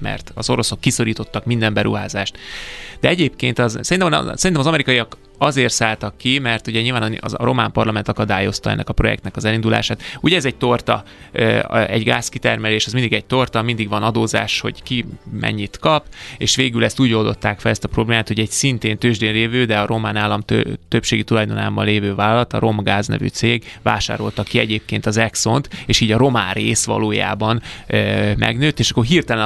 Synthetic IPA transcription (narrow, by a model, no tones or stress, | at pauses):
mɛ̰rt̪ɒzo̞ɾo̞so̞kːiso̞ɾiːt̪o̞t̪ːɒkmind̪ɛmbɛɾṵɦaːzaːʃt̪d̪ɛɛɟeːpkeːnt̪ɒzsɛint̪ɛmn̰sɛɾint̪ɛmɒzɒmɛɾikɒijɒk | ɒzeːrt̪saːlt̪ɒkːimɛrt̪uɟɛɲiːlvaːnn̰ɒɾo̞maːmpɒrlɒmɛnt̪ɒkɒd̪aːjo̞st̪ɒɛ̰nːɛ̰kɒpɾro̞jɛ̰k̚t̪nɛkɒzɛlind̪ula̰ːʃaːt̪uɟɛɛzɛɟ̚t̪o̞rt̪ɒ̰ | ɛ̰ɟɡa̰ːskit̪ɛrmɛleːʃɛzmind̪iɡɛɟ̚t̪o̞rt̪ɒmind̪iɡʋɒnɒd̪oːza̰ːʃho̞̰ɟkimʔɛ̰ɲːit̪kɒpeːʃʋeːɡylɛst̪uːɟo̞ld̪o̞̰t̪ːaːkfɛlɛst̪ɒpro̞bleːmaːt̪ho̞ɟɛɟsint̪eːnt̪øːʒd̪eːnleːvøːd̪ɛɒɾʔo̞maːnaːlːɒmt̪øt̪øpʃeːɡit̪ulɒjd̪onaːmbɒnleːvøːvaːllːɒt̪ɒ̰ɾo̞mɡaːznɛ̰vy̰ːt̪seːɡva̰ːʃa̰ːɾo̞̰lt̪ɒkːiɛɟeːp̚keːnt̪ɒzɛkso̞nt̪eːʃiːɟɒɾo̞maːnrḛːsʋɒ̰loːja̰ːbɒn | mʔɛ̰ɡnøːt̪ːeːʃɒkːorɦiːrt̪ɛlɛn